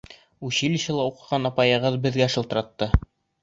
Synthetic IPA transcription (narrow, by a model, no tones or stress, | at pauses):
uɕilʲiɕɤlˠɑuqɤ̆ʁɑnɑpɑjɤ̆ʁɤðbɘ̆ðɡæʃɤ̆lt̪ɤ̆ɾɑt̪ːɤ